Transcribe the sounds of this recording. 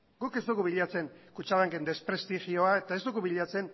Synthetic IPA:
ɡ̥uke̞zd̪uɣuβiʎat͡se̞ŋkut͡ʃaβaŋkend̪e̞spɾe̞st̪ixio̞ae̞t̪ae̞zd̪uɣuβiʎat͡se̞n

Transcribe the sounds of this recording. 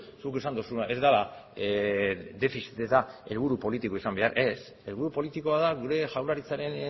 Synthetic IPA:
sukesand̪usunaʔe̞zd̪ala | d̪e̞fisit̪et̪ae̞lβ̞uɾupo̞lit̪iko̞isambe̞aɾe̞s | e̞lβuɾupo̞lit̪iko̞aðaɣuɾe̞ʝawlaɾit͡saɾe̞n

